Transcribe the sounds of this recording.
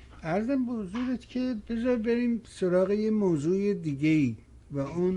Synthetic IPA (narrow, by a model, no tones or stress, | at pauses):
æɾzæmbehozuːɾet̪ʰcʰebezɒɾbeɾiːmsoɾɒːɣejemoːzuːed̪iːɟeiː | væun